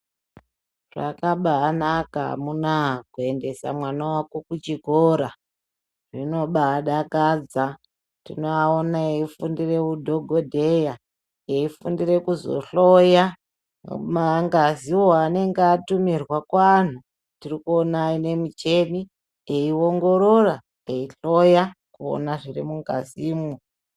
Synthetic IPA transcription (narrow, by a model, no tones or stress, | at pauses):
ra̰kaɓaːnakaɦa̰munakue̞nde̞sa̰mwanawakokut͡ʃiɡʱoɾa | rino̞ɓaːɗakad͡za | tino̞aonaeifundire̞wudʱo̞ɡʱodʱe̞ja | eifundire̞kuzo̞̰ɬoja | maŋɡaziwoane̞ŋɡeatumirwakwan̤u | tirikuonaine̞mut͡ʃe̞mi | eio̞ŋɡo̞ɾora | eiɬo̞jakuo̰naʐirimuŋɡa̰ziːmo